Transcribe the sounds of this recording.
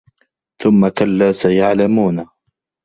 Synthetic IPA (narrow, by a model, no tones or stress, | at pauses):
θʊmːakalːaːsajaʕlamuːna